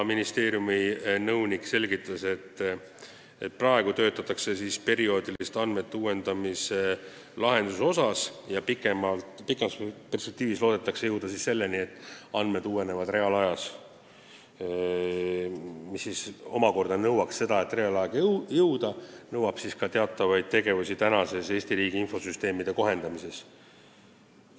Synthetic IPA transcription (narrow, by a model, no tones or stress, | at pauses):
minist̪e̞ːɾjuminɤwnikˑse̞lɡit̪ːˑɑse̞t̪ː | et̪̚ːprɑe̞ɡut̪ø̞ːt̪ːˑɑt̪ːˑɑkse̞sispe̞ɾio̞ːd̪ilist̪ɑnd̪̥me̞t̪ːeuːwe̞nd̪ɑmise | lɑɦe̞nd̪̥uso̞sɑsjɑpikˑemɑlt̪pikːˑe̞mɑspe̞rspe̞k̚t̪iːvislo̞ːd̪e̞t̪ːˑɑksejɤwd̪̥ɑsisse̞lːe̞nie̞t̪ːˑɑnd̪me̞d̪̥uːwe̞ne̞vɑd̪re̞ɑlɑjɑs | misːiso̞̰mɑko̞rd̪̥ɑnɤwɑksːe̞d̪̥ɑe̞t̪ːˑre̞ɑlɑɡ̥jɤwd̪ɑnɤwːɑb̥siskɑt̪e̞ɑt̪ˑːɑvɑjd̪̥̚t̪e̞ɡe̞vusʲit̪ænɑse̞se̞ːsʲt̪iɾiːɡiinfo̞syst̪e̞ːmid̪e̞ko̞ɦe̞nd̪̥ɑmise̞s